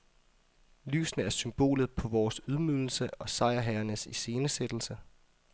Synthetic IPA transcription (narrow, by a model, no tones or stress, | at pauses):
ly̰ːsnəæɐsymb̥o̝̰ːlð̩ˠpʰɒ̽ʋɒːsuð̞ˠmyðˠl̩səɒ̽sɑ̈ɪɐɦæɐnəsise̝ːnəsed̥l̩sə